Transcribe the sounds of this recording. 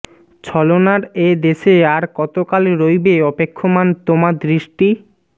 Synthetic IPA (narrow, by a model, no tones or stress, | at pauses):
t͡ɕʰɔlonaɾed̪eʃeaɾkɔt̪okalɾojbeɔpekʰːomant̪omad̪ɾiʃʈi